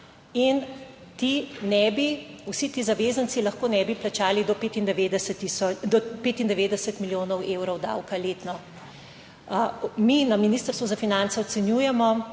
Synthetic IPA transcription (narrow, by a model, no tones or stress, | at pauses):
in | t̪inɛbiusit̪iːzaʋezənt̪silɐxkoːnɛbiplat͡ʃaːlid̪ɔpet̪ind̪ʋed̪ɛst̪iɔd̪ɔpeːt̪ind̪ɛʋeːd̪ɛsət̪miljoːnɔweːwɾɔwd̪a̰wkaleːt̪nɔ | minaminist̪əɾst̪ʋuzafinansɛɔt̪sɛnjuːjɛmɔ